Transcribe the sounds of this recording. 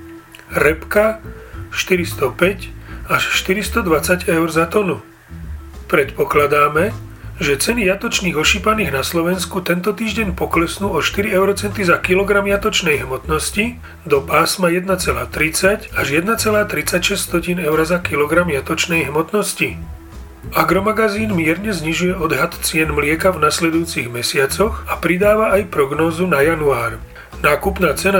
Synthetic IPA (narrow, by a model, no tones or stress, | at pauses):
ɾɛpkaʃt̪iɾist̪ɔpɛcaʃʃt̪iɾist̪ɔd̪ʋat͡saɟɛʊɾzat̪ɔnu | pɾɛt̪pɔklad̪aːmɛ | ʒɛt͡sɛnijat̪ɔt͡ʃniːɣɔʃipaniːɣnaslɔʋɛnskut̪ɛnt̪ɔt̪iːʒɟɛɲpɔklɛsnuːɔʃt̪iɾiɛʊɾɔt͡sɛnt̪izakilɔɡɾamjat̪ɔt͡ʃnɛjɦmɔt̪nɔsci | d̪ɔpaːsmajɛd̪nat͡sɛlaːt̪ɾit͡sacaʒjɛd̪nat͡sɛlaːt̪ɾit͡sacʃɛst̪ɔciːnɛʊɾazakilɔɡɾamjat̪ɔt͡ʃnɛjɦmɔt̪nɔsci | aɡɾɔmaɡaziːnmɪɛɾɲɛzɲiʒujɛɔd̪ɦat̪t͡sɪɛnmlɪɛkavnaslɛd̪ujuːt͡siɣmɛsɪat͡sɔxapɾid̪aːʋaajpɾɔɡnɔːzunajanuaːɾ | naːkupnaːt͡sɛna